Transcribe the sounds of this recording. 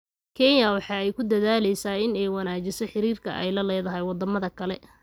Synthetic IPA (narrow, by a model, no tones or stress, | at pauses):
kʰɛnjɐwɑħɑːɛjkʰʊd̪ɐðaːlɛjsaːɪnɛjwɑnaːt͡ʃɪsɔħɪɾiːrkʰɐ̰ʔɛ̰jlɐlɛːðɐɦɛjwɑd̪ɐmɐðɐkʰɐlɛ